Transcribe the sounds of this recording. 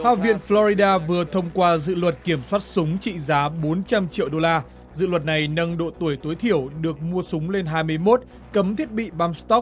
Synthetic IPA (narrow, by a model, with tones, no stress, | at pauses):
ha̰ː˧˨vḭ˧˨ənflɔ˧ɾi˧ɗaː˧vɨ˨˩ət̪ʰə˧wŋ͡mkwaː˧zɨ̰˧˨lwə˨˩t̚ki˧˩əmswaː˦˥t̚sʊ˨˦ŋ͡mt͡ɕḭ˧˨zaː˨˦ɓo˨˦nt͡ɕa˧mt͡ɕḭ˧˨əwɗo˧laː˧ | zɨ̰˧˨lwə˨˩t̚na˨˩jnə˧nɗo̰˧˨t̪u˧˩əjt̪o˨˦jt̪ʰi˧˩əwɗɨ˨˩ək̚mu˧əsʊ˨˦ŋ͡mle˧nɦaː˧jmɨ˧əjmo˦˥t̚ | kə˨˦mt̪ʰi˦˥ət̚ɓḭ˧˨ɓaː˧mst̪ɔ˦˥k̚